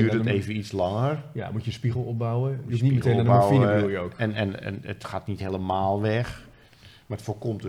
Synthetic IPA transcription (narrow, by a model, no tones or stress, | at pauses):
yːtəteːvənitslɑŋərja̰mutəspiɣəl̩ˠɔp̚bawəiiɣɛəbawfiəujəowkɛnɛnɛ̰nətxaːtnitheːləmaːlˠʋɛx | marətfoːkomt